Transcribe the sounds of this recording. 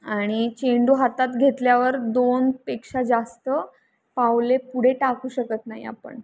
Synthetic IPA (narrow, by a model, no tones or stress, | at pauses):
aɽ̃it͡ɕeɳɖuɦat̪at̪ɡʱet̪ljaʋəɾd̪onpekʂad͡zast̪ə | pawlepuɽ̤eʈakuːɕəkət̪naɦḭa̰pə̰ɳ